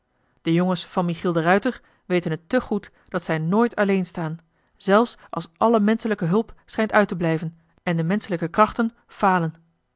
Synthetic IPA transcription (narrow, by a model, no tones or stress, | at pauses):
d̥əjoŋəsfɑnmiχilˠdərœɥtəɹ | ʋejtənɦətːəχut | d̥ɑtsɛjnoːjtʰɑlejnstaːn | z̥ɛlˠfsʔɑ̰lˠsʔɑləmɛnsələkəɦɵlˠpsχɛjntœɥtəblɛjvən | ɛndəmɛnsələkəkrɑχtən | v̥aːlən